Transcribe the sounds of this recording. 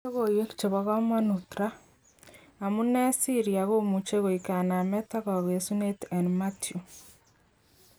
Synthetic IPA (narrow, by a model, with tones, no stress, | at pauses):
o˦ɣo˨je˦ki̥t͡ʃe˨βa˨ɣa˦mwa˦nutɾa˦˨ | mu˦ne˦si˦ɾia˨ɣo˦mu˨t͡ʃe˦ɣo˨ika˨na˨mɛ˦ta˦ɣa˨ɣe˨su˦ne˦te˨nma˦tju˨